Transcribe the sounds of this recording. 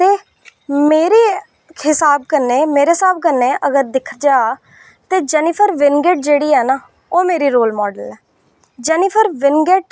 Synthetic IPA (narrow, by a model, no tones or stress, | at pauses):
t̪eː | meːɾeː | kʰɪsaːb̚kəɾnːeːmeːɾeːsaːb̚kənːeːʔəɡəɾd̪ɪkʰːəd͡ʒaːaː | t̪eːd͡ʒɛːnɪpʰəɾʋɪnɡeːʈ̚d͡ʒeːɽiːɛːnaː | oːmeːɾiːɾoːlmɔːɖəlɛː | d͡ʒɛːnɪpʰəɾʋɪnɡeːʈ